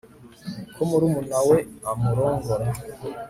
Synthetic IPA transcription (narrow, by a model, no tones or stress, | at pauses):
kʰomuɾumunaweamuɾoːŋɡoɾa